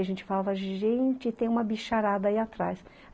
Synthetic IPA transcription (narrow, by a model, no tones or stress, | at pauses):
ʒẽnt͡ʃɪ̥falavɐʒẽnt͡ʃɪt̪ẽj̃ũmɐbiʃaɾad̪ɐiat̪ɾajs